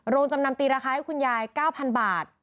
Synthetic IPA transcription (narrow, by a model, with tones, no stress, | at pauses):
ɾoː˧ŋt͡ɕa˧mna˧mt̪iː˧ɾaː˧xaː˧ha˦˥jkʰu˧njaː˧jkaː˥˩wpʰa˧nbaː˨˩t̪̚